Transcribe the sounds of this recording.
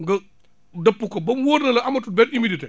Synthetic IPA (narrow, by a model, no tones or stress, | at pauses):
ŋɡɐ | dɐpːukobɐmwoːɾnɐlɐʔɐmɐtubɛtimiditɛ